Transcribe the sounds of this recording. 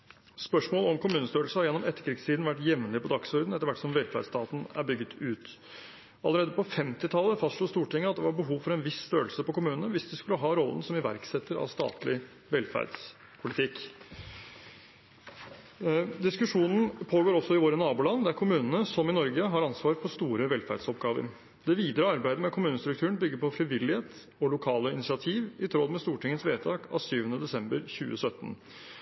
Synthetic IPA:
spœʂmoːlɔmkʊmʉːnəst̪øːɾl̩səhɑɾjɛnːɔmɛt̪ːəɾkʰɾɪɡst̪ʰiːd̪n̩ʋæʈːjɛʋnlɪpɔd̪ɑksɔɾd̪n̩ɛt̪əɾʋæʈːsɔmʋɛlfæ̰ɖst̪ɑːt̪n̩æ̰ɾbʏɡːət̪ʰʉːt̪ | ɑlːˠəɾeːd̪əpɔfɛmt̪ɪt̪ʰɑlːəfɑst̪ʂluːst̪uːʈɪŋːəɑt̪̚d̪ɛʋɑɾbəɦuːʋfɔɾɛnʋɪst̪øːəlsəpɔkʊmʉːnənəʋɪsd̪ɪskʉləɦɑːɾɔlːən̩sɔmɪʋæ̰ɾksɛt̪ːəɾɑ̰ʋst̪ɑ̰ːt̪lɪ | ʋɛlfæ̰ɾd̪s | pʰʊlɪt̪ʰɪkː | d̪ɪskʉʂuːnn̩pʰoːɡoːɾɔsːɔɪʋoːɾənɑːbuːlɑnːd̪ɛæɾkʰʊmʉːnənəsɔmɪnɔɾɡəɦɑɾɑnsʋɑːɾpʰɔst̪uːɾəʋɛlfæ̰ɾɖ̥sɔpɡɑːʋə̰ɾ | d̪ɛʋiːd̪ɾəɑɾbæɪd̪əmɛkʰʊmʉːnəst̪ɾʉk̚t̪ʰʉːəɳn̩bʏɡːəɾpɔfɾɪʋɪlːɪheːt̪ | ɔlʊkʰɑːləɪnɪsɪɑt̪ʰiːʋɪt̪ʰɾɔd̪mɛst̪uːʈɪŋːət̪sʋeːt̪ʰɑːkɑ̰ːʋsyːʋənəd̪ɛsɛmbəɾçʉːə̰sœt̪ːn

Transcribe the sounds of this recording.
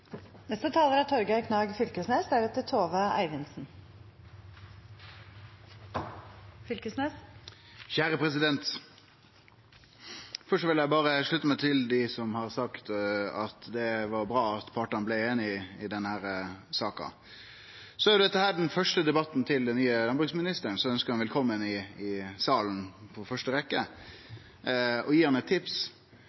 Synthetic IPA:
nɛst̪ət̪ʰɑːləɾɑt̪ʰɔɾɡækʰnɑːɡfʏlkəsneːsd̪æɾɛt̪ːət̪ʰoːʋəʔæ̰ɪʋɪnsn̩ | fʏlkəsneːs | çæːɾəpʰɾɛsɪd̪ɛnt̪ | fœʂʈɔʋɪljæɪbɑːɾəʂɭʉt̪ːəmɛt̪ʰɪld̪ɪsɔmhɑɾsɑkt̪ɑt̪d̪ɛʋɑɾbɾɑːɑt̪pʰɑʈɑnblɛeːnɪɪd̪ɛnhæːɾəsɑːkɑ̰ | sɔæɾjʊd̪ɛt̪ːəhæːɾɖɛnfœʂʈəd̪ɛbɑt̪ːnt̪ʰɪld̪ɛnnyːəlɑnbɾʉɡsmɪnɪst̪ənsɔɛœnskəɾhɑnʋɛlkʰɔmːənɪɪsɑːlnpʰɔfœʂʈəʋɛkːə | ɔjiːhɑnət̪ʰːɪps

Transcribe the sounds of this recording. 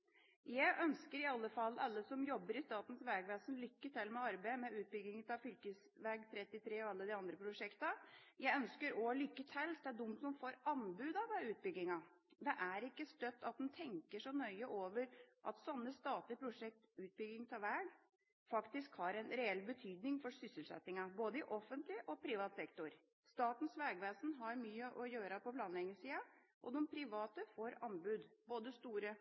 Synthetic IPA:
jæɪʔœnskəɾɪɑlːəfɑlːɑlːəsɔmjɔbːəɾɪst̪ɑːt̪n̩sʋæːɡʋæːsənlʏkːət̪ʰɛlmɛɑɾbæɪmɛʉːt̪̚bʏɡɪŋət̪ʰɑfʏlkəs | ʋæːɡt̪ʰɾɛt̪ːɪt̪ʰɾeːɔɑlːəd̪ɪɑnd̪ɾəpʰɾʊʂɛkt̪əjæɪœnskəɾɔlʏkːət̪ʰɛlːd̪æɖ̪ʊmt̪sɔmfoːɾɑnbʉːd̪ɑʋæʉːt̪̚bʏɡːɪŋɑd̪ɛʔæɾɪkːəst̪œt̪ːɑt̪̚d̪ɛnt̪ʰɛŋkəʂɔnœʏəʔoːʋəɾʔɑt̪sɑnːəst̪ɑːt̪lɪpʰɾʊʂɛk̚t̪ʉːt̪̚bʏɡɪŋt̪ʰɑʋæɖ | fɑkt̪ɪskhɑɾɛnɾɛɛlːbət̪ʰyːd̪nɪŋfɔɾsʏsəlsɛ̰t̪ːɪŋɑboːd̪əɪʔɔfːənt̪lɪʔɔpʰɾiːʋɑːt̪sɛkt̪ʊɾ | st̪ɑːt̪n̩sʋɛːɡʋeːsn̩ɦɑɾmyːəʔɔjøːɾɑpɔpʰlɑːnlɛŋəsiːɑ | ʔɔd̪ɛmpʰɾɪʋɑːt̪əfoːɾɑnbʉːd̪boːd̪əst̪uːɾə

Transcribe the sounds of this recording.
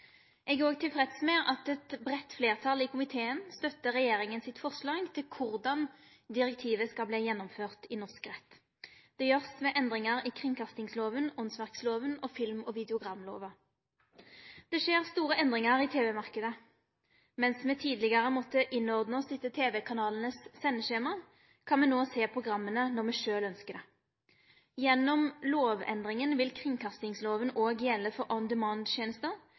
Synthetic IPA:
ɛɡoːɡt̪ʰɪlfʁɛt̪smeːɑt̪ɛt̪bʁɛt̪fleːʁt̪ʰɑliːkʰʊmɪt̪ʰeːənst̪œt̪ːəʁɛjeːʁɪŋənsɪt̪fɔʁʂlɑːɡt̪ʰɪlkʰʊʁd̪ɑn | d̪ɪʁɛk̚t̪ʰiːʋəskɑlbliːjɛnːɔmføːʁt̪ɪnɔʁskʁɛt̪ː | d̪̥ɛjøːʁsmɛʔɛnd̪ʁɪŋɑʁiːkʰʁɪŋkʰɑst̪ɪŋsloːʋənʊnsʋæʁksloːʋənɔfɪlmɔʋɪd̪ɛʊɡʁɑmlo̰ːʋɑ | d̪̥ɛʃeːʁst̪uːʁəʔɛnd̪ʁɪŋɑʁiːt̪ʰeːʋɛmɑʁkəd̪ə | mɛnsmɛːt̪ʰiːd̪lɪɡɑʁəmɔːt̪əʔɪnɔʁd̪nəɔsɪt̪ːət̪ʰeːʋɛkʰɑnɑːln̩əsːɛnːəʃeːmɑ | kʰɑnmɛnoːseːpʰʁʊɡʁɑmːənənɔʁmɛʃøːlœnskəd̪ɛ | jɛnːɔmloːʋɛ̰nd̪ʁɪŋənʋɪlkʰʁɪŋkʰɑst̪ɪŋsloːʋənoːɡjɛlːəfɔʁʔɔnd̪əmɑːnd̪ʃjeːnəst̪ə

